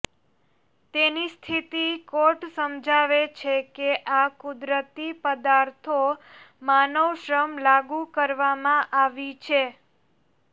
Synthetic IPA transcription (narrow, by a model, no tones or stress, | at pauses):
t̪enist̪ʰit̪ikoʈsəmd͡ʒʱaʋet͡ʃʰekeʔakʊd̪ɾət̪ipəd̪aɾt̪ʰo | manəʋʃɾəmlaɡukəɾʋamãʔaʋit͡ʃʰe